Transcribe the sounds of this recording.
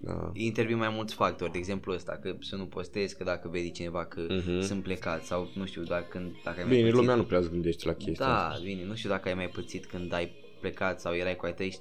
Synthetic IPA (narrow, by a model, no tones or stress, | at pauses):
d̪a̰int̪e̞ɾvinmajmult̪sʲfak̚t̪o̞rʲd̪eɡze̞mpluəst̪a̰kəsənupo̞st̪e̞skəd̪akəve̞d̪ʲit͡ʃine̞vakʰəsɨnt̪̚ple̞kat̪sʲsawnuʃt̪ʲiud̪akɨnd̪d̪akəajmabinelumeanupɾeasɡɨnd̪e̞ʃt̪lakʲe̞std̪aabine̞nuʃt̪ʲud̪akəajmajpət̪sit̪kɨnd̪aj | plekat̪sawjeɾajkuajt̪əj